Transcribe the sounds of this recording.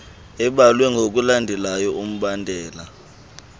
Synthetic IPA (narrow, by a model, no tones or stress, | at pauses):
ɛɓalwɛŋɡʱok̬ʼulandʱɛlajɔum̩ɓandʱɛːla